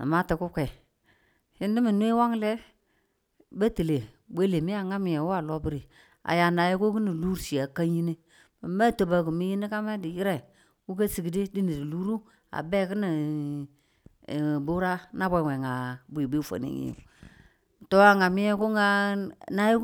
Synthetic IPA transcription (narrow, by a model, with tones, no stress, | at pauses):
a̰˨ma˦tɪ˨kʊ˦kʷɛ˨ | hɪ˦n˦di˦mi˨nwe˦wa˦ŋ˦lɛ˦ | ba˦ti˨le˨ | be˦le˨mi˦a˨ŋa˦mi˨ɛ˨wa˦˨lo˦bi˦ɾi˨ | a̰˨ja˨na˨ji˦ku˦ki˦ni˨lu˦ɾsi˨a˨ka˦ɲi˦ne˦ | ma˨ma˦˨to˨ba˨ku˨mi˦ji˦ni˦ka˦me˦di˨jɪ˦ɾɛ˨ | wu˦k̬a˦si˨ɡi˨di˦di˦ni˨di˨lu˦ɾu˦ | a̰˨be˦kɪ˦ni˨ | bu˦ɾa˦na˦be˨we˨ŋa˨bʷbi˦fo̰˨nḭ˦ŋḭ˦jṵ˨ | to˦a˨ŋa˨mɪ˦jɛ˦ku˦ŋa˦na˦ji˦